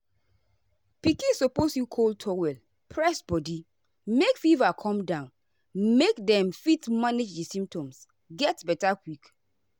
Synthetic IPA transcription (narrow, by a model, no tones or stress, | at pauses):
pikĩsɔposjukʰoltʰɔwɛl | pʰɹɛsbɔdi | mekfivakʰɔ̃mdãʊ̃n | mekdɛ̃mfitmaned͡ʒdisĩmp̚tɔ̃ms | ɡɛtbɛtakwik